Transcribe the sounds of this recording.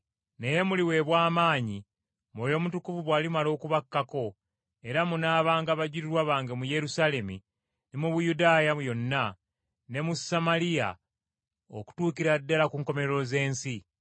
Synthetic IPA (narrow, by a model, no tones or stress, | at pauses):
ne̞je̞muliwe̞βwaːmaːɲi | mojo̞mutukuvuβwaːlimalo̞ːkuβakːako̞ | e̞ɾamunaːβaːŋɡaβaɟiɾiɾwaβaːŋɡemuje̞ɾusale̞mi | nimuβujudaːjajo̞nːa | ne̞musamalija̰ | o̰ku̥tuːkiɾadːalakuːŋko̞me̞ɾɾo̞ze̞ːnsi